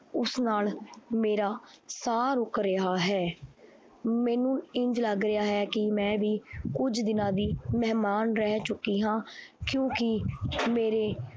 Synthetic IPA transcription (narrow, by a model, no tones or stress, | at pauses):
ʊsnaːlmeːɾaː | saːɾʊkɾeaːɦɛː | mɛːnũːɪ̃ɲd͡ʒləɡɾɪaːɦɛːkɪmɛ̃ːʋiːkʊd͡ʒd̪ɪnãːd̪iːmɛːmaːnɾɛːt͡ʃʊkːiːɦãː | kjõːkɪmeːɾeː